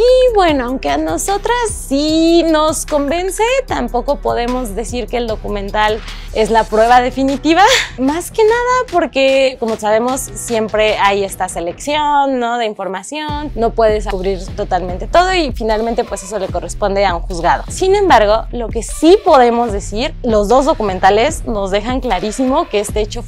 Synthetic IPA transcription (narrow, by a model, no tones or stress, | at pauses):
iβwe̞noawŋke̞ano̞so̞t̪ɾasːino̞sko̞mbe̞nse̞t̪ampo̞ko̞po̞ðe̞mo̞zðe̞siɾke̞ːld̪okumẽ̞nt̪al | e̞zlapɾwe̞β̞aðe̞finit̪iβamaske̞naðapo̞ɾke̞ko̞mosaβe̞mo̞sːje̞mpɾe̞aje̞st̪ase̞le̞ksjo̞nːo̞ðe̞iɱfo̞ɾmasjo̞nːo̞pwe̞ð̞e̞sauβɾiɾt̪o̞t̪almẽnt̪e̞̥t̪o̞ð̞o̞ifinalment̪e̞pwe̞se̞so̞le̞ko̞re̞spo̞nd̪e̞auŋxuzɣað̞o̞sinẽ̞mbaɾɣ̞o̞lo̞ke̞sipo̞ðe̞mo̞zðe̞siɾlo̞zðo̞zðokume̞nt̪ale̞zno̞zðe̞xaŋklaɾisimo̞keest̪eet͡ʃo̞